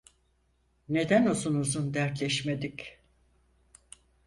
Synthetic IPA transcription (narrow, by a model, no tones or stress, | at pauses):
ne̞d̪ænozunuzund̪æɾt̪lʲɛʃme̞d̪ik